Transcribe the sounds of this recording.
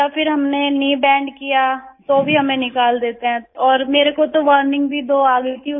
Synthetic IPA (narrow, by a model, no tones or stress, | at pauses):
japʰɪɾɦɐmneniːbɛ̃ːɳɖkijat̪oːbʱiɦɐmẽnɪkaːld̪eːt̪eɦɛ̃ɔːɾmeːɾekot̪oʋəːɾnɪ̃ŋɡbʱid̪oːaːɡəit̪ʰi